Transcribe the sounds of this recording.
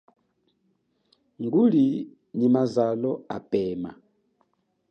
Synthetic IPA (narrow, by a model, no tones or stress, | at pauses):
ŋɡuli | ɲimazalɔa̰pɛma̰